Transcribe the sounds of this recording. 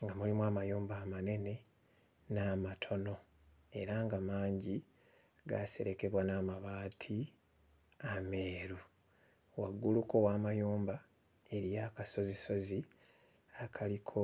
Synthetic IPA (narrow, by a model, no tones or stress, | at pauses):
ŋɡamulimwaːmajuːmbaːmane̞ne̞ | naːmatʰo̞no̞ | e̞ɾaŋɡamaːɲɟi | ɡase̞̰ɾe̞ke̞βwanaːmaβaːtʰi | ame̞ːɾu | waɡːuluko̞waːmajuːmba | e̞ɾijaːkaso̞ziso̞zi | akʰalikʰo̞